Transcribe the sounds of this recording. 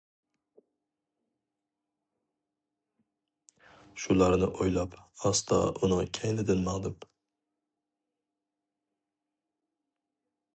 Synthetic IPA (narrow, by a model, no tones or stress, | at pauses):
ʃulˠɑɾnɪʔojlˠɑpɑst̪ʰɑ̰ʊnɨkʲʰæjlɪd̪ɪnmæʁd̪ɪp